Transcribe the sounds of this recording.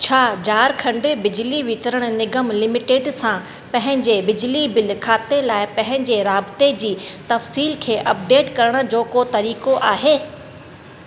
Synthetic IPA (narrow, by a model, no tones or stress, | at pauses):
t͡ɕʰaːd͡ʑaːɾkʰɐ̃ɳɖɪbɪd͡ʑliʋɪt̪ɾəɽ̃̆nɪɡəmlɪmɪʈeːɖsã | pɐ̃ɦɪ̃ɲd͡ʑebɪd͡ʑlibɪlkʰaːt̪elaːɪpɐ̃ɦɪ̃ɲd͡ʑeɾaːbɪt̪ed͡ʑiːt̪ɐfsiːlkʰeːʔɐp̚ɖeːʈkɐɾəɽ̃ʊ̆d͡ʑoːkot̪ɐɾiːkoʔaːɦeː